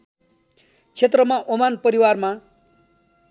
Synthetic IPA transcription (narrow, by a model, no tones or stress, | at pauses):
t͡sʰet̪rʌmaʔomanpʌɾiwarma